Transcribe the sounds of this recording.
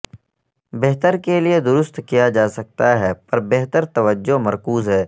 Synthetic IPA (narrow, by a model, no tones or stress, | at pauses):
beɦt̪əɾkelied̪ʊɾʊst̪kijad͡ʒaːsɐk̚t̪aɦɛːpɐɾbeɦt̪əɾt̪ɐʋəd͡ʒːomɐɾkuːzɦɛː